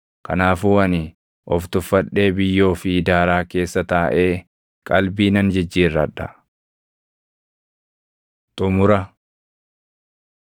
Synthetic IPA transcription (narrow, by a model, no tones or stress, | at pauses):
kɐnaːfuːɐnɪ | ʔɔft̪ʊfːɐᶑe̞ːbɪjːo̞ːfɪd̪aːɾaːke̞ːsːɐt̪ɐːʔe̞ː | kʼɐlbiːnɐnd͡ʒɛd͡ʒːiːrːɐᶑːɐ | t̪ʼʊmʊɾɐ